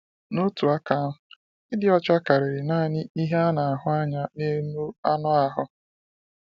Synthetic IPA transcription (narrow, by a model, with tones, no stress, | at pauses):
no˦tu˨a˦ka˦ʊ˨˦ | ɪ˦dɪ˦ɔ˦t͡ʃa˦ka˨ɾɪ˨ɾɪ˨na˦˨ɲɪ˦i˦ɦe˦a˦na˨a˨ɦʊ˦a˦ɲa˦ne˦nu˦a˦nʊ˦a˨ɦʊ˦